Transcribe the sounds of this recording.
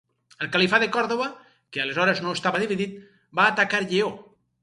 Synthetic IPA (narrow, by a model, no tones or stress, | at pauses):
əlˠkalifaðekɔɾðoβa | kealezɔɾeznoest̪aβaðiβiðit̪̚ | baːt̪akaɾʎeo